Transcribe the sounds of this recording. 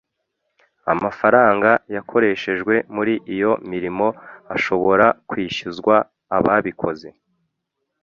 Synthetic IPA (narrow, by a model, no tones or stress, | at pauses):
a̰mafaɾaːŋɡajakʰo̞ɾe̞ʃe̞ʒɡwe̞muɾiʔijo̞miɾimo̞aʃo̞βo̞ɾakwiːʃizɡwaː | βaβikʰo̞ze̞